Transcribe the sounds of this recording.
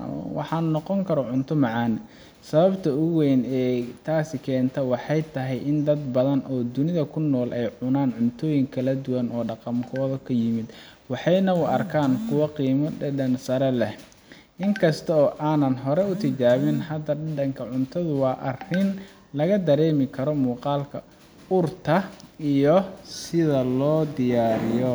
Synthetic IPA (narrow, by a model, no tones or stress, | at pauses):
wɑ̰ħɑːnːɔqɔŋkʰɐɾɔʕʊnt̪ʰɔmɑʕɑːn | sɐβɐbt̪ʰɐʊɣɛjnɛːt̪ʰaːsɪkʰɛːnt̪ʰɔwɑħɑjt̪ʰɐɦɛjʔɪnd̪ɐd̪bɐðɐnʔɔːd̪ʊnɪðɐkʰʊnːɔːlʔɛjʕʊnaːnʕʊnt̪ʰɔːjɪŋkʰɐlɐd̪ʊwɐnɔːɖɑqɑmkʰɔːðɔkʰɐjɪmɪd̪ | wɑħɑjnɐʊɐrkʰaːnkʰʊwɑqiːmɐɖɐnsɐɾɛlɛh | ʔɪŋkʰɐst̪ʰɐɔːʔaːnɐnɦɔɾɛʊt̪ʰɪt͡ʃaːβɪnhɐd̪ɐɖɐɖɐŋkʰɐʕʊnt̪ʰɐðʊwɑːʔɐrɪn | lɐɣɐd̪ɐɾɛːmɪkʰɐɾɔmuːqɑːlkʰɐ | ʊrt̪ʰɐijɔsɪðɐlɔːd̪ɪjaːɾɪjɔ